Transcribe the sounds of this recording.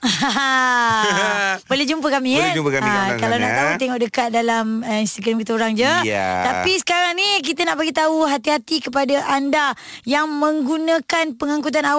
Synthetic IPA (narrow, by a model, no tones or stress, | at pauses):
bolɛhd͡ʒumpəkamĩuəkaakalawnaʔt̪aut̪eŋɔʔ̚dəkat̪̚dalaməinst̪iɡɾamkit̪əoɾaŋd͡ʒət̪apisə̥kaɾaŋnik̬it̪anaʔbaɡit̪auɦat̪iɦat̪ikəpadaʔanda | jaŋmə̃ŋɡunãkanpəŋãŋkut̪̬ana